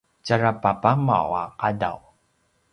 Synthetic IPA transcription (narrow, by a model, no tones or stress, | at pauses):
t͡ʃaɾapapama̰wa̰qada̰w